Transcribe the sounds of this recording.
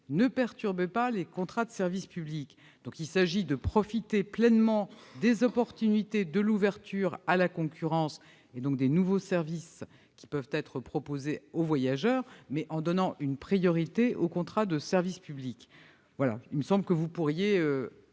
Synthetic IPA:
nəpɛʁt̪yʁbepalekɔ̃t̪χad̪əsɛʁvispyblik | d̪̥ɔ̃kilsaʒid̪əpχɔfit̪eplɛnmɑ̃d̪ezɔpɔʁt̪ynit̪ed̪əluvɛʁt̪yːʁalakɔ̃kʲʰyʁɑ̃s | ed̪ɔ̃k̚d̪enuvosɛʁvis | kʲi̥pœvt̪ɛt̪χəpχɔpozeovwajaʒœːʁmɛʔɑ̃d̪ɔnɑ̃ʔynpχijɔʁit̪eʔokɔ̃t̪χad̪əsɛʁvispyblik | vwala̰ilməsɑ̃bləkəvupuʁjeø

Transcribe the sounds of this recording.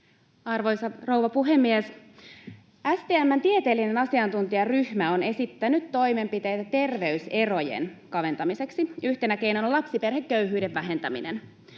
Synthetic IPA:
ɑrʋojsɑro̞wʋɑpuɦemːies | æst̪eːæmːænt̪iet̪e̞ːlːine̞nɑsiɑnt̪unt̪iɑryhmæo̞ne̞sit̪ːænyt̪to̞jme̞mpit̪e̞jt̪æt̪e̞rʋe̞yse̞ro̞jḛnkɑʋe̞nt̪ɑmise̞ksiyht̪enæke̞jnonlɑpsipe̞rhekːøyɦyːde̞ʋːæɦe̞nt̪æmḭnen

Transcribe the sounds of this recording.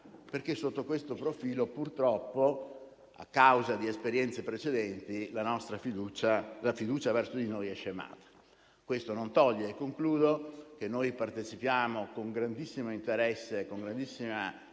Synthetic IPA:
perkesːot̪ːokwest̪opɾofiːlopurt̪ɾɔpːo | a̰kːawzad̪iespeɾjɛnt̪sepɾet͡ʃed̪ɛnt̪ilanɔst̪ɾafid̪ut͡ʃalafid̪uːt͡ʃavɛrsod̪inojɛʃːema̰ːt̪ḁ | kwest̪onont̪ɔʎːeːkːoŋkluːd̪ok̟enːojpart̪et͡ʃipjaːmokoŋɡɾand̪isːimoint̪eɾɛsːekoŋɡɾand̪isːima

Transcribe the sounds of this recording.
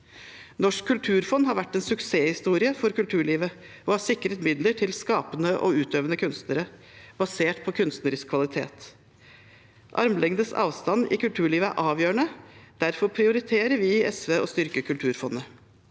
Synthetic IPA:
nɔʂkʰːʉlt̪ʰʉːɾfɔnɦɑɾʋæʈːɛnsʉkseːhɪst̪uːɾɪəfɔɾkʉlt̪ʰʉːɭiːʋə | ʔɔhɑsɪkːɾət̪mɪd̪ləʈʰɪlskɑːpənəʔɔ̰ʉːt̪øːʋənəkʰʉnst̪nəɾəb̥ɑseːʈpʰɔkʰʉnst̪nəɾɪskkʰʋɑlɪt̪ʰḛːt̪ | ʔɑ̰ɾmlɛŋd̪əsɑ̰ːʋst̪ɑnɪ̰kʉlt̪ʰʉːɭiːʋəæ̰ɾʔɑːʋjøːəɳəd̪̥æɾfɔɾpʰɾɪʊɾɪt̪ʰeːɾəɾʋɪɛsʋeːɔst̪ʏɾkəkʰʉlt̪ʰʉːɾfɔnːə

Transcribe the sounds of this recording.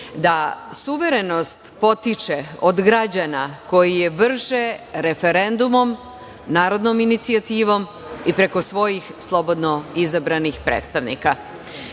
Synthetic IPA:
d̪asuʋe̞ɾe̞no̞st̪po̞t̪it͡ʃeod̪ɡɾad͡ʑanako̞jijeʋr̩ʃeɾe̞fe̞ɾe̞nd̪umo̞m | naːɾo̞d̪noːminit̪siat̪iːʋo̞m | ipɾe̞ko̞sʋo̞jixslˠo̞bo̞d̪no̞izabɾanixpɾḛːt̪st̪aʋnḭka

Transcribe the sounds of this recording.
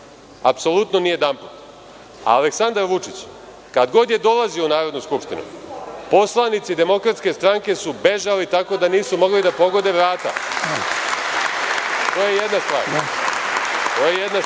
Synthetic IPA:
apso̞lˠut̪no̞nije̞d̪amput̪ | a̰ːleksand̪aɾʋut͡ʂit͡ɕ | kad̪ɡo̞d̪je̞d̪o̞laziounaːɾo̞d̪nuskupʂt̪inṵpo̞slˠanit̪sid̪e̞mo̞kɾat̪ske̞st̪ɾaŋke̞sube̞ʒalit̪ako̞d̪aniːsumo̞ɡlid̪apo̞ɡo̞d̪e̞ʋɾaːt̪a̰ | t̪oːjejed̪nast̪ʋaːɾ | t̪o̞jejed̪na

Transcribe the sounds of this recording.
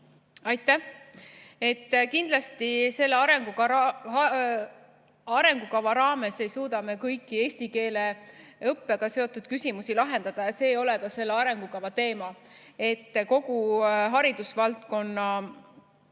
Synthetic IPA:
ɑjt̪ːˑæh | e̞t̪ːkind̪̥lɑst̪ise̞lːeɑɾe̞ŋɡukɑ | ɑɾe̞ŋɡ̥ukɑvɑɾɑːme̞se̞jsuːd̪̥ɑme̞kɤjkːˑie̞ːsʲt̪ike̞ːle̞ɤpːe̞ɡ̥ɑse̞o̞t̪ːˑud̪̥̚kysʲimusilɑɦe̞nd̪̥ɑd̪̥ɑjɑse̞ːo̞lɛkɑse̞lːeɑɾe̞ŋɡukɑvɑt̪e̞ːmɑ | e̞t̪ːko̞ɡ̥uɦɑɾid̪̥usvɑlt̪ko̞nːɑ

